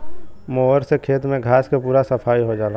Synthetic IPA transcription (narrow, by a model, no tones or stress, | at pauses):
moɦəɾsekʰeːt̪mẽɡʱaːskapuːɾasəpʰaːiɦod͡ʒaːla